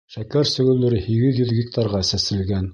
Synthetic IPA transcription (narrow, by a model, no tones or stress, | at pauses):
ʃækæɾsɵ̆ɡɵ̆lɵ̆ɾɘhiɡɘðjɵðɡʲɪk̚t̪ʰɑɾʁɑsæsɘ̆lɡæn